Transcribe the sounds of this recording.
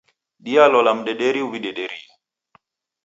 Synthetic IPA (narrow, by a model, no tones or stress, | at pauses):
ɗialɔlam̩ɗɛɗɛɾiuwiɗɛɗɛɾi